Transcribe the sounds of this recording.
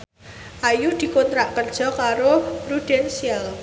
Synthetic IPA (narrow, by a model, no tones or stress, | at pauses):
ʔajud̪̥i̤kont̪ɾaʔkərd̥ʒ̥ɔ̤kaɾoɾud̥ɛnsial